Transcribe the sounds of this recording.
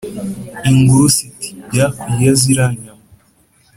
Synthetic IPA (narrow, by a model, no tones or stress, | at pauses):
iŋɡuɾusiti̥ɟakujaziɾaɲama